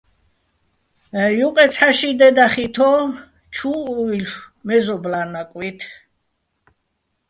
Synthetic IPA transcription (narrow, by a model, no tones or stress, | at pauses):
juqʼɛt̪sʰħaʃid̪ɛd̪aχit̪ʰɔ | t͡ʃʰuːilmɛzɔblanakʼwit̪ʰ